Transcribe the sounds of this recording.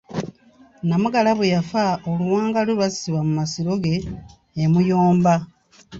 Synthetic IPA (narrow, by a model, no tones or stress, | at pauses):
namuɡalaβwejafaoluwaːŋɡalulwasi̥siβamumasiɾo̞ɡe̞ː | mujoːmba